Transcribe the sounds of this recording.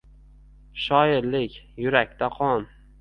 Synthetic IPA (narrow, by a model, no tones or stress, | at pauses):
ʃɒjɪɾlɪkʲ | jʊɾakʲt̪ʰaqʰɒm